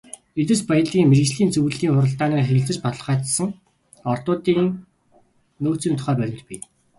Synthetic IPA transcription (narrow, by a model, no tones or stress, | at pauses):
et̪ɘ̆spajə̆ɮiːŋmeɾɣɘ̆t͡ɕɮiːnt͡sɵw̆ɮiːŋχʊɾə̆ɬt̪aːnæːrxeɾɘ̆ɬt͡sɘ̆t͡ɕpɔt̪ə̆ɮ̆χaːt̪sə̆ŋ | ɔrt̪ʊːt̪iːŋ | noːt͡siːmt̪ʰʊ̥χæːpæɾʲɪ̆mt̪̚pij